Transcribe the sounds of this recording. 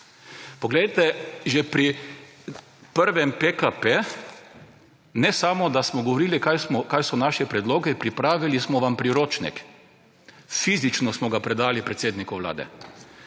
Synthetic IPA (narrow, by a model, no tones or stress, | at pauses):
pɔɡlejt̪ɛʒɛpɾi | pəɾʋɛmpekape | nɛsaːmɔd̪asmɔɡɔʋɔɾiːlikajsmɔkajsɔnaːʃɛpɾɛd̪loːɡɛpɾipɾaːʋilismɔʋampɾiɾoːt͡ʃnɛ̰k | fiːzit͡ʃnɔsmɔɡapɾɛd̪aːlipɾɛt̪seːd̪nikɔʋla̰ːd̪ɛ̰